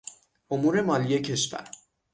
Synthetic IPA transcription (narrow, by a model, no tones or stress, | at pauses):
omuːɾe̞mɒːlije̞cʰe̞ʃvæ̰ɾ